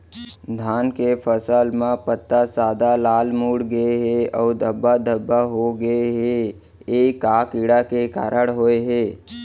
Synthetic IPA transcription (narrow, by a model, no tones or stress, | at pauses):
d̪ʱaːnkepʰəsəlmẽpət̪ːasaːd̪alaːlmuːɽɡəeɦeɔːɾd̪əbːad̪ʱəbːaɦoɡəeɦe | eːikaːkiɽakeka̰ːɾʔəɽɦoeɦeː